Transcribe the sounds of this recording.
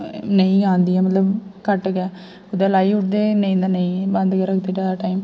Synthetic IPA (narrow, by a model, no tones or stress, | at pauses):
nəĩaːnd̪iɛːmət̪ləbkəʈːɡɛː | ʊd̪alaːiʊʈ̚d̪eːnə̃ĩnd̪anɐĩbɐnd̪keɾəkʰd̪eʈad̪aʈaːim